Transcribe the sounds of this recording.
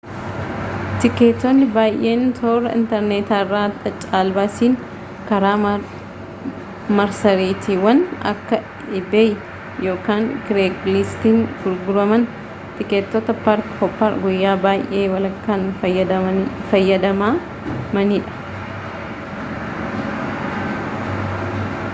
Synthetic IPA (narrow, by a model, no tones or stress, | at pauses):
t̪ɪkeːt̪ːɔnːɪbaːjʔe̞ːnt̪ʰoːɾɐɪ̰nt̪ɛɾneːt̪aːɪrːaːt̪ɐt͡ʃʼaːlbaːsiːn | kɐɾaː | mɐɾsɐɾiːt̪iwɐnɐ̰kːɐ | ɪbej | jo̞ːkaːŋkɪɾeːklɪst̪infʊɾɡʊɾɐmɐn | t̪ɪket̪ːɔt̪ɐpɐɾkkɔpːɐɾɡʊjːaːbaːjʔeːwɐlɐkːanɐfɐjːɐd̪ɐmaː | mɐniːᶑɐ̥